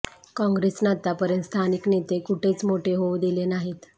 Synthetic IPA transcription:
kɔ̃ŋɡɾesnat̪apəɾjənt̪st̪ʰaniknet̪ekuʈʰet͡smoʈʰeɦoud̪ilenaɦit̪

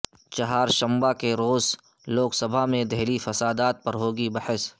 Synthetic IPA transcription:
t͡ʃɐɦaːɾʃɐ̃mbakeɾoːz | loːksɐbʱamẽd̪ɛɦlifɐsaːd̪aːt̪̚pɐɾɦoːɡibɐhɪs

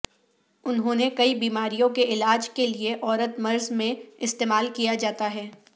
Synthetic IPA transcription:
ʊnɦõːnekɐibiːmaːɾijõkeʔɪlaːd͡ʒkelieʔɔːɾət̪mɐɾzmẽɪst̪eːmaːlkijad͡ʒaːt̪aɦɛː

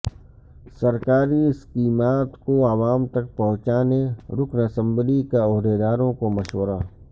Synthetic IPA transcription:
sɐɾkaːɾiɪskiːmaːt̪koaʋaːmt̪ɐk̚pɐɦʊ̃t͡ʃaːneɾʊkʰnəsə̃mblikeɔːɦd̪eːd̪aːɾõkomɐʃwəɾaː

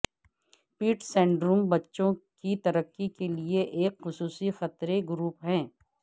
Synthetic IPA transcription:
piːʈsɛ̃ːɳɖɾuːmbɐtːʃõkit̪ɐɾəkːikelieʔeːkxʊsuːsixɐt̪ɾeɡʊɾuːpɦɛ̃ː

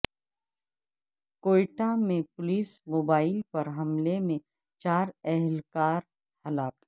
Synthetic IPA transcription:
koːʈamẽpʊliːsmoːbaːɪlpɐɾɦɐmlemẽ | t͡ʃaːɾɛɦlkaːɾ | hɐlaːk

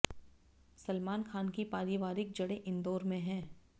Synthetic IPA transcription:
sɐlmaːnxʰaːnkipaːɾiʋaːɾɪk̚d͡ʒɐɽeʔɪ̃nd̪oːɾmẽɦɛ̃ː

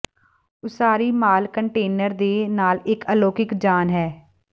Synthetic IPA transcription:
ʊsaːɾiːmaːlkəɳʈeːnəɾd̪eːnaːlɪkəloːkɪkd͡ʒaːnɦɛː

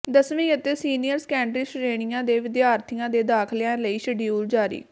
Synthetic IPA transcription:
d̪əsʋĩːət̪eːsiːnijəɾskɛːɳɖɾiːsɾeːɳɪjãːd̪eːʋɪd̪jaːɾt̪ʰɪjãːd̪eːd̪aːkʰlɪãːləiːʃəɖiuːld͡ʒaːɾḭː

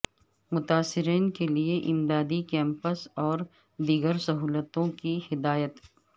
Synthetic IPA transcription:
mʊt̪aːsːɪɾiːnkelieʔɪmd̪aːd̪ikɛ̃ːmpəsɔːɾ | d̪iːɡəɾsɐɦuːlət̪õkihɪd̪aːjət̪

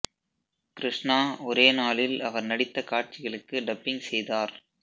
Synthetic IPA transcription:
kɪɾɪʂnaːɔɾeːnaːlɪlɐʋɐɾnɐɽɪt̪ːɐkaːʈ̚t͡ʃɪɣɐɭɯkːɯɖɐpːɪŋsɛjðaːɾ

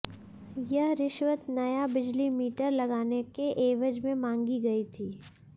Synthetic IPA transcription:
jɐɦɾɪʃwət̪nɐjabɪd͡ʒlimiːʈəɾlɐɡaːnekeʔeːʋəd͡ʒmẽmãːŋɡiɡɐit̪ʰiː

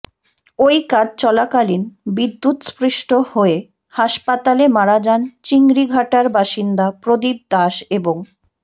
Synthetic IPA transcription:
ojkad͡ʑt͡ɕɔlakalinbid̪ːut̪sfɾiʃʈohoe | haʃpat̪alemaɾad͡ʑant͡ɕiŋɡɾiɡʱaʈaɾbaʃind̪apɾod̪ib̚d̪aʃeboŋ

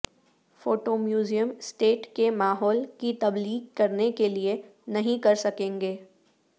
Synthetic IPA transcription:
foːʈoːmjuːzijəmsʈeːʈkemaːɦɔːlkit̪ɐbliːɡkɐɾnekelienɐɦĩkɐɾsɐkẽːŋɡeː

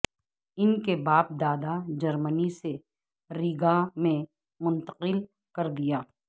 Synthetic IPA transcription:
ɪnkebaːp̚d̪aːd̪ad͡ʒɐɾmənise | ɾiɡamẽ | mʊ̃nt̪ə̥qɪl | kɐɾd̪ijaː

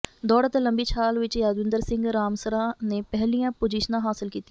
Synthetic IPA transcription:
d̪ɔːɽət̪eːləmbiːt͡ʃʰaːlʋɪt͡ʃjaːd̪ʋɪ̃nd̪əɾsɪŋɡɾaːmsəɾãːneːpɛɦlijãːpod͡ʒiːʃənãːɦaːsɪlkiːt̪i

